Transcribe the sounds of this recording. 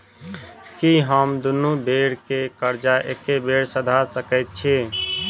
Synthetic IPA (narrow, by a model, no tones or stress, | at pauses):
kiɦəmd̪unubeɽkekəɾd͡ʒaʔekːebeɽsəd̪ʱasəkəɪt̪̚t͡ʃʰi